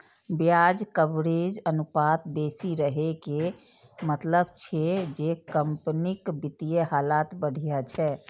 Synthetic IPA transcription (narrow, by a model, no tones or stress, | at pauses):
bjad͡ʒkəbɾed͡ʒənupat̪besiɾəɦeke | mət̪ləbt͡ʃʰɛd͡ʒekəmpnikbit̪ijeɦalat̪bəɽ̤ʱijat͡ʃʰɛ